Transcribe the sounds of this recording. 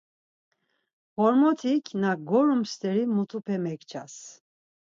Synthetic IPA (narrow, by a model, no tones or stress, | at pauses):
hɔɾmɔt̪ʰikʰnaɡɔɾumst̪ɛɾimut̪ʰupʰɛmɛkt͡ʃʰa̰s